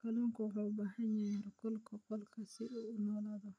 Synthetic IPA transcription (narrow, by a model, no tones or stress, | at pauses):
kʰɐlɔːŋkʰʊwħɑwbɑħɐɲaɾɐkʰɔlkʰɐqɔlkʰɐsɪuʊnɔːlaːðɔ